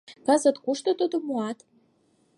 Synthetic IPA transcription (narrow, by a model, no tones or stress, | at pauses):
kɑzə̆t̪kuʃt̪ŏt̪od̪omuɑt̪